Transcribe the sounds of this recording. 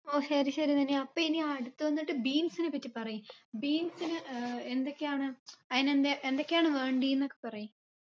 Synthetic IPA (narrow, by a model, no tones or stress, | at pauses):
oːɕɐɾiɕɐɾit̪ɐnːeɐpːoːiniːɽut̪ːɨʋɐnːiʈːɨbiːnsinɨpɐtːipɐrɐjubiːnsinɨend̪o̞kːejaːɳɨɐðinend̪eʔend̪o̞kːejaːɳɨʋe̞ːɳɖienːokːe̞pɐrɐju